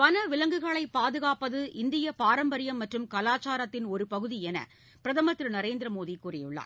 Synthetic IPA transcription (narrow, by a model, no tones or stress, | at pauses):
pɐnɐʋɪlɐŋɡɯɣɐɭɐɪpːaːðɯɣaːpɐðɯʔɪnd̪ɪjɐpaːɾɐmbɐɾɪjɐmːɐʈrɯmkɐlaːt͡ʃːaːɾɐt̪ːɪnɔɾɯpɐɣɯðiɛnɐ̰ | pɪɾɐðɐmɐt̪ːɾɯnɐɾeːnd̪ɪɾɐmoːðikːuːrɪjɯ̰ɭːa̰ː